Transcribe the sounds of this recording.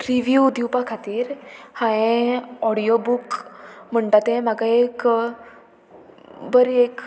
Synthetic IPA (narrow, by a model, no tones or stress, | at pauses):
ɾiʋjud̪jupakʰat̪iːɾhãẽɔɽijobukm̤əɳʈat̪ẽm̤aɡaek | bəɾek